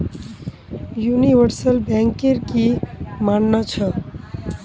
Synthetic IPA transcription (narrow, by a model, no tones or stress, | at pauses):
juniʋəɾsəlbɛ̃ŋkeɾkimanːət͡ʃʰə